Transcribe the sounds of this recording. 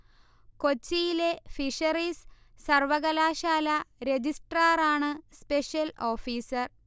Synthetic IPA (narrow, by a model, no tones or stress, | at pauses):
kot͡ɕːijile̞fiʂɐrisː | ɐrʋɐɣɐlaːɕaːlɐɾe̞d͡ʑisʈraːraːɳɨspeʂjɐlo̞ːfiːsɐr